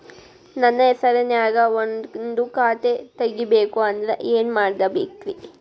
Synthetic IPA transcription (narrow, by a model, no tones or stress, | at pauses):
nɐnːɐɛsɐɾenjaːɡɐonnd̪ukaːt̪et̪ɐɡːibeːkuɐnd̪ɐɾḛʔeːnumaːɽid̪ɐbeːt̪ʋi